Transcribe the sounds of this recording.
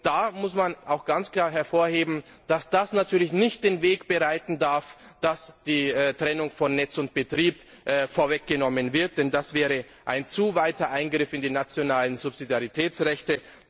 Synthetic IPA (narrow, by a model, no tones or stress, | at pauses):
d̥aːmʊsmanʔaʊxɡ̥ant͡skl̥aːɐɦɛɐfoːɐheːbm̩d̥asd̥asnatʰyːɐlɪçnɪçt̚d̥eːnveːkb̥əʁaɪtn̩daɐfd̥asd̥iːtʁ̥ɛnʊŋfɔnːɛt͡sʊnt̚b̥ətʁ̥iːp | ʔfoːɐvɛk̚ɡ̥ənɔmənvɪɐt̚d̥ɛndasv̥ɛːʁə | ʔaɪnt͡suvaɪtɐʔaɪnɡʁɪfɪndiːnat͡sjonaːlənzʊpz̥idjaʁitʰɛːt͡sʁɛçtə